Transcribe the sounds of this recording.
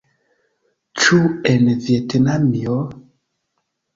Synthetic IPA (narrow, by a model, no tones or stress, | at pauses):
t͡ʃuɛnɛðjɛtenamiɔ